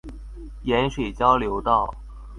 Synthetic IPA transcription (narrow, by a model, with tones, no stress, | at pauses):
jɛ˧˥nʂwe˨˩ɪt͡ɕjɑ˥ʊljo˧˥ʊt̪ɑ˥˩ʊ